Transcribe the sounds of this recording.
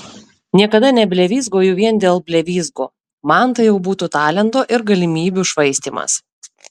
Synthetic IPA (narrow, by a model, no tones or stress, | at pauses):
nʲiɛkɐd̪ɐnʲɛbʲlʲɛʋʲiːzɡoːjuʋʲiɛnd̪ʲeːlˠbʲlʲɛʋʲiːzɡo̰ː | mɑnt̪ɐjɛʊbuːt̪uːt̪ɑːlʲɛnt̪oːʔɪɾɡɐlʲɪmʲiːbʲuʃʋɐɪsʲt̪ʲiːmɐ̰s